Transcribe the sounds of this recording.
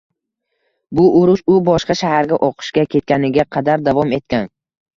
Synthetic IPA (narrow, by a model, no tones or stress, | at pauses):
bʊʔʊɾʊʃʊbɒʃqɑʃahaɾɡʲaʔɒqʰɨ̥ʃkʲakʲʰe̞t̪̚kʲanɪɡʲaqʰɑd̪aɾd̪avɒme̞t̪̚kʲan